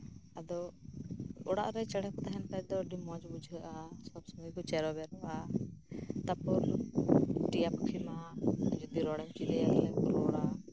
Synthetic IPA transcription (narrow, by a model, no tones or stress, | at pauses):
ad̪ɔ | ɔɽa̰ʔɾɛt͡ʃɛɽɛkt̪ɛɦɛnpɛd̪ɔɖimɔd͡ʒbud͡ʒʱəʔasɔbsɔməkut͡ʃɛɾɔbɛɾɔʔa | t̪apɔɾ | ʈijapkʰimad͡ʒud̪iɾɔɽɛmt͡ʃid̪ɛalɛkɾɔɽa